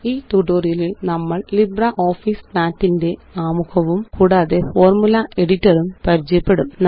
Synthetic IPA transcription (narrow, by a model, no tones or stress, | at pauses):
iːt̪uːʈoːrijɐlilnɐmːɐɭlibrɐʔo̞ːfiːsnaːtːinde̞aːmuɣɐʋumkuːɽaːðe̞fo̞ːrmulɐe̞ɽitːɐrumpɐɾit͡ɕːɐjɐpːe̞ɽumn